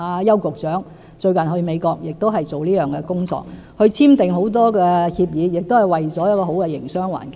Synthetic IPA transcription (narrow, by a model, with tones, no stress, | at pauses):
aː˧jɐ˥wkʊ˨k̚t͡ʃœː˨˥ŋ | t͡ʃɵ˧ɥkɐ˨˩nɦɵ˧ɥme˨˧jkɔː˧k̚jɪ˨k̚t̪o˥wɦɐ˨jt͡so˨wliː˥jœː˨ŋkɛ˧kʊ˥ŋt͡sɔ̰ː˧k̚ | hɵ˧ɥt͡sʰiː˥mt̪ɪ˨ŋɦo˨˥wt̪̬ɔː˥kɛː˧hiː˧p̚jiː˨˧jɪ˨k̚t̪o˥whɐ˨˩jwɐ˨jt͡sɔː˨˥jɐ˥t̚kɔː˧ɦo˨˥wkɛ˧jɪ̰˨˩ŋsœː˥ŋwa̰ː˨˩nk